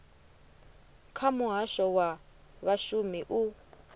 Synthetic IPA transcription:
kʰamuɦaʃɔwa | βaʃumiʔu

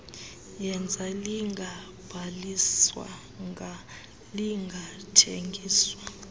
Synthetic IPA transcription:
jɛnd͡zʱaliŋɡʱa | b̥ʱaliswa̰ | ŋ | liŋɡʱatʰeŋɡʱiːswa

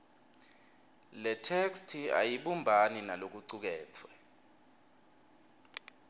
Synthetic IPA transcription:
lɛtʰekstʰia̰jiɓumbʱaninalok̬uǀuk̬ɛːt͡sʰwɛ

